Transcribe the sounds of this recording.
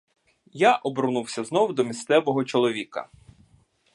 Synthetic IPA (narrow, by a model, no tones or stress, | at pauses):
jaʔɔbɾnuwsʲɐznɔwd̪ɔmʲist̪sɛʋɔɦɔt͡ʃɔlˠɔʋʲikɐ̰